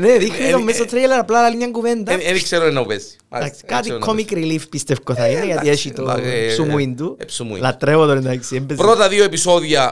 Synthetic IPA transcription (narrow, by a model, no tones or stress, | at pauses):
neðixnit̪omːesot̪ʰːɾeelɐɾɐplalɐliɲɲɐŋɡuvend̪ɐenikseɾunenːɐupesi̥ | d̪aksi̥kat̪ikʰːomikɾilifpist̪efkoθɐinejɐt̪ieʃit̪osumuind̪upsumṵḭlɐt̪ɾevot̪oɾind̪ksiembepɾot̪ɐðioepisoðjɐ